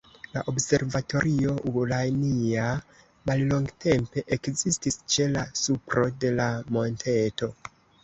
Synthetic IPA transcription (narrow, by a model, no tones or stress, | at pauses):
la̰ʔo̞bse̞ɾvato̞ɾʔio̞ʔuɡlajnia | mallo̞ŋɡte̞mpe̞ʔekzistist͡ʃe̞lasupɾo̞de̞lamo̞ntʰe̞to̞